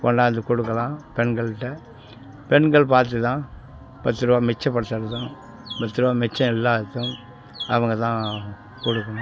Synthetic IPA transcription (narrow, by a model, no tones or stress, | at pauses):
pɔ̰ːnɖaːɐnd̪ɯkɔɽɯkːɐlãːpɛɳɡɐɭʈːɐ | pɛɳɡɐɭpaːɾt̪̬ɯt̪ãː | pɐt̪ːɯɾɯʋaːmɛt͡ʃːɐ̃pɐɽɯt̪ːaɾɐt̪ãː | pɐt̪ːɯɾɯʋaːmɛt͡ʃːɐ̃ɛlːaːɯt̪ːɯ̃m | ɐʋɐŋɡɐt̪ãː | kɔɽɯkːɐnʊ̃